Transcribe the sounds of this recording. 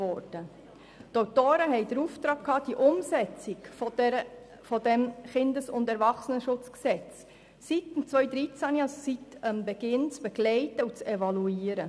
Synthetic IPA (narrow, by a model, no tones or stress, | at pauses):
ɔːɾd̥ə | t̪oʊtoːɾəɦɛɪd̪əɾuftɾɑːk̚kʰhɑːd̥iʔʊmsɛt͡sɪk | fɔdɛmχɪnd̪əsʊntɛɾvɑχsənəʃʊt͡sksɛt͡s | sitnt͡sʋœʏd̪ɾit͡sæniɑssitəmbɛɡɪnt͡sb̥ɛɡ̥lɛɪtəut͡sɛvɑluiːɾə